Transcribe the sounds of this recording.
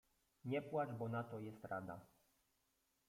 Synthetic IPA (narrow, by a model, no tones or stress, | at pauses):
ɲɛpwaʐbɔnat̪ɔjɛst̪ɾad̪a̰